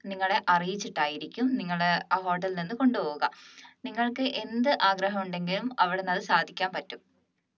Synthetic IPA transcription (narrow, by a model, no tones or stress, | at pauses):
niŋːɐɭe̞ʔɐrijit͡ɕːiʈːaːjiɾikʲːumniŋːɐɭaɦo̞ːʈːɐlninːɨko̞ɳɖupo̞ːɣuɣɐniŋːɐɭkɨʔe̞nd̪ɨʔaːɡɾɐɦɐmuɳɖe̞ŋɡilumɐʋiɽenːɐðɨsaːd̪ʱikʲːaːnpɐtːum